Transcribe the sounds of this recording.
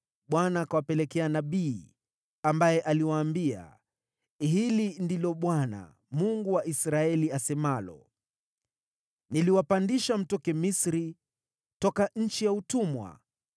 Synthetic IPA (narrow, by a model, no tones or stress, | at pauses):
ɓwanaːkawapɛlɛkɛanaɓiː | ambajɛʔaliwaːmbia̰ | ɦilindilɔɓwana̰ | muŋɡuwaʔisɾaɛliasɛmalɔ̰ | niliwapandiʃam̩tɔkɛmisɾi | tɔkaɲ̩t͡ʃijautumwa̰